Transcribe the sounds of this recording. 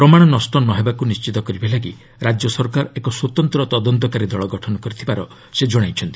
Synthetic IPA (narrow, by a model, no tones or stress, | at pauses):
pɾɔmaɽ̃ɔnɔsʈɔnːɔɦebakunist͡ʃit̪ɔkɔɾibalaɡi | ɾad͡ʒjɔsɔɾkaɾekɔswot̪ɔnt̪ɾɔt̪ɔd̪ɔnt̪ɔkaɾid̪ɔɭɔɡɔʈʰɔnɔkɔɾit̪ʰibaɾɔ | sed͡ʒɔɽ̃ajt͡ʃʰɔnt̪ii̥